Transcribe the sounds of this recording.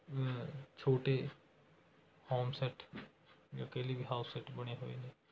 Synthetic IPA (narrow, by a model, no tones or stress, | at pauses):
t͡ʃʰoːʈe | haːmsɛʈ | jakelibʱiɦaːʊssɛʈbɐɽ̃eɦoːḭne